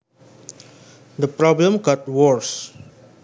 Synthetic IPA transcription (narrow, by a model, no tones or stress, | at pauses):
d̪əpɾɔblə̃mɡɔt̚wɔɹs